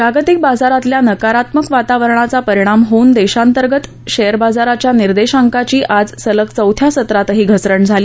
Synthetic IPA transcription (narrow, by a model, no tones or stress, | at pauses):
pɾaɡt̪ik̚bad͡zaɾat̪ljanəkaɾat̪məkʋat̪aʋəɾɳ̃at͡sapəɾiɽ̃amɦouːnd̪eɕant̪əɾɡət̪ | ɕejəɾbad͡zaɾat͡ɕjaniɾd̪eɕaŋkat͡ɕiːʔad͡zsələkt͡səwt̪ʰjasət̪ɾat̪ɦiːɡʱət͡sɾəɳd͡zʱali